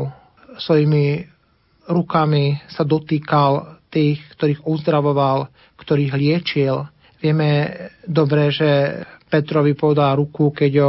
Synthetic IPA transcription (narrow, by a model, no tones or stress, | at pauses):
sʋɔjimi | ɾukamisad̪ɔt̪iːkalt̪iːxkt̪ɔɾiːɣuzd̪ɾaʋɔʋal | kt̪ɔɾiːɣlɪɛt͡ʃil | ʋɪɛmɛd̪ɔbɾɛʒɛpɛt̪ɾɔʋipɔʋɛd̪alɾukukɛɟɔ